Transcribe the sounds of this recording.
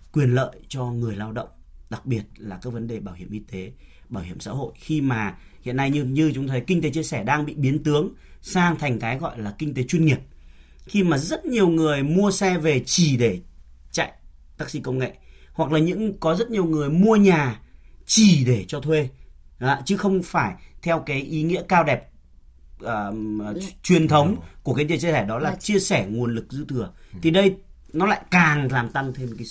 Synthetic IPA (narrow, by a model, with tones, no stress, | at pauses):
kwi˨˩ənlə̰ː˧˨jt͡ɕɔ˧ŋɨ˨˩əjlaː˧wɗə̰˧˨wŋ͡mɗa˨˩k̚ɓi˨˩ət̚laː˨˩kaː˨˦k̚və˨˦nɗe˨˩ɓaː˧˩whi˧˩əmʔi˧t̪e˨˦ | ɓaː˧˩whi˧˩əmsa̰ː˧˥ɦo̰˧˨jxi˧maː˨˩ | hḭ˧˨ənːa˧jɲɨ˧ɲɨ˧t͡ɕʊ˨˦ŋ͡mt̪ʰə˨˦jkï˧ŋ̟t̪e˨˦t͡ɕi˧əsɛː˧˩ɗaː˧ŋɓḭ˧˨ɓi˨˦ənt̪ɨ˨˦əŋsaː˧ŋt̪ʰa˨˩jŋ̟kaː˨˦jɣɔ̰˧˨jlaː˨˩kï˧ŋ̟t̪e˨˦t͡ɕwi˧nŋi˨˩əp̚ | xi˧maː˨˩zə˦˥t̚ɲi˨˩əwŋɨ˨˩əjmu˧əsɛ˧ve˨˩t͡ɕi˧˩ɗe˧˩ | t͡ɕa̰˧˨j | t̪aː˦˥k̚sḭ˧˥kə˧wŋ͡mŋḛ˧˨ | hwa˨˩k̚laː˨˩ɲɨ̰˧˥ŋkɔ˨˦zə˦˥t̚ɲi˨˩əwŋɨ˨˩əjmu˧əɲaː˨˩t͡ɕi˧˩ɗe˧˩t͡ɕɔ˧t̪ʰwe˧aː˨˧˦t͡ɕɨ˨˦xə˧wŋ͡mfaː˧˩jt̪ʰɛ˧wkaː˨˦jʔi˨˦ŋḭ˧˥əkaː˧wɗɛ˨˩p̚ | ʔəː˨˩˨ | t͡ɕwi˨˩ənt̪ʰə˨˦wŋ͡mku˧˩əkaː˨˦jt̪i˨˩t͡ɕi˧sɛː˧˩ɗɔ˨˦laː˨˩t͡ɕi˧əsɛ˧˩ŋu˨˩ənlɨ˨˩k̚zɨ̰˧˥t̪ʰɨ˨˩ət̪ʰi˨˩ɗə˧j | nɔ˨˦la̰ː˧˨jkaː˨˩ŋlaː˨˩mt̪a˧ŋt̪ʰe˧mkaː˨˦